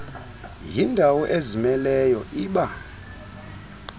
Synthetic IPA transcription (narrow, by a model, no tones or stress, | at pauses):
jindʱawɔʔezimɛlɛjɔʔiːɓa